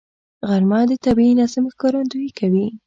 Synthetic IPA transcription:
ɣaɾmɑd̪ət̪abiinɑzɪmxkɑɾand̪ujikʰawi

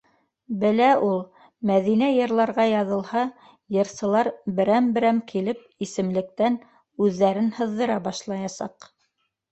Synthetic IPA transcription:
bɘ̆læʔulˠ | mæðinæjɤ̆ɾlˠɑɾʁɑjɑðɤ̆lˠhɑ | jɤ̆ɾsɤ̆lˠɑɾbɘ̆ɾæmbɘ̆ɾæmkʰilɘp̚isɘ̆mlɘ̆k̚t̪æn | ʉðːæɾɘnhɤ̆ðːɤ̆ɾɑbɑʃlˠɑjɑsɑ̰q

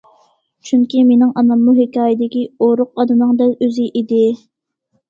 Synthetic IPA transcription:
t͡ʃʰyŋkʲimenɪŋʔɑnɑmːuɦɪkʲɑːjɪd̪ɪkʲioɾʊqɑd̪ɨnɨŋd̪ɛløzɪʔid̪ɪ

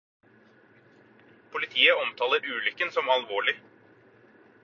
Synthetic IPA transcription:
pʰʊlɪt̪ʰiːəɔmt̪ʰɑːləɾʉːlʏkːənsɔmɑlʋoːɭɪ

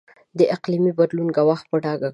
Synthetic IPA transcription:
d̪əʔɪqlimibad̪lunɡawaxt̪̚pəɖɑɡa

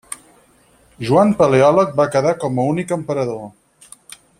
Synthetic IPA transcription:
ʒuampəleɔlək̚bakəðakɔməunikəmpəɾəðo

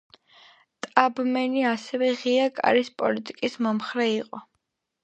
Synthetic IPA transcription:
t̪ʼabmɛniasɛvɛʁiakʼa̰ɾispʼɔlit̪ʼikʼismɔmχɾɛiqʼɔ

